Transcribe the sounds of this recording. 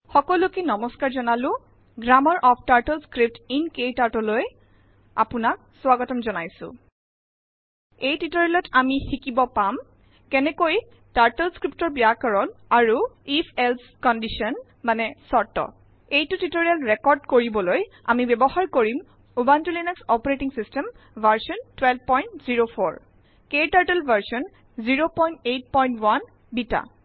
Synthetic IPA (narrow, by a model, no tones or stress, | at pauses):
xɔkɔlukenɔmɔskaɹzɔnalʊ̃ | ɡɹamɔɹʔɔpʰtaɹtɛlskɹip̚tinkejtaɹtɔloj | a̰pʊnak̚swaɡɔtɔmzɔnajsʊ̰̃ | ejtitoɹialɔtamixikibɔpam | kɛnɛkoj | taɹtɛlskɹip̚tɔɹbijakaɹɔnaɹuipʰɛls | kɔndisɔn | manɛsɔɹtɔ̰ | ejtutitoɹijalɹekɔɹɖkoɹibɔloj | a̰mibɛbɔhaɹkoɹim | ubantulinɛksɔpɔɹetiŋsistɛm | vʱaɹsɔntwɛlb̚pɔjntziɹopʰoɹ | ketaɹtɛlbʱaɹsɔn | ziɹopɔjntejt̚pɔjntwan | bita̰